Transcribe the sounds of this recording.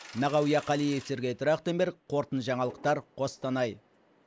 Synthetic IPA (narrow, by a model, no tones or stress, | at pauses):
nɑʁɑwjɑqʰɑlijese̞ɾɡʲejt̪ʰʊɾɑqt̪embeɾqʰo̞ɾt̪ənʒɑɴɑlˠəq̚t̪ɑɾqʰo̞st̪ɑnɑj